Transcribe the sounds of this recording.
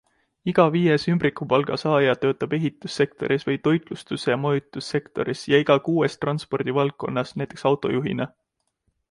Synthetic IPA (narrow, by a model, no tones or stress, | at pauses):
iɡ̥ɑviːjesymbɾikːˑupɑlɡ̥ɑsɑːjɑt̪ø̞ːt̪ːˑɑb̥e̞ɦit̪ːˑusːe̞kt̪o̞̰ɾʔisvɤjt̪o̞jt̪ˑlust̪usejɑmojut̪ːˑusːe̞kt̪o̞̰ɾisjɑiɡ̥ɑkuːest̪rɑnspo̞rd̪̥ivɑlk̚kːˑo̞nːɑsnæjt̪ːˑeksɑwt̪ˑo̞̰juɦḭne